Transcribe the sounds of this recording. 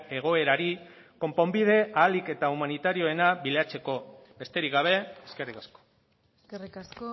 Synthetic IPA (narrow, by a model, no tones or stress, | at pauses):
e̞ɣ̞o̞e̞ɾaɾi | ko̞mpo̞mbið̞e̞aːlike̞t̪aumanit̪aɾio̞e̞naβileat͡se̞ko̞be̞st̪e̞ɾikɡaβ̞e̞eske̞rikasko̥ | skerikasko